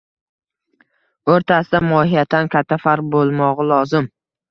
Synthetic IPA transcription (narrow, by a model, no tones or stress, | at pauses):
oɾt̪ʰasɪd̪amɒhɪjat̪ʰːankʲʰat̪ʰːafaɾq̚bolˠmɒʁɨlˠɒzɪm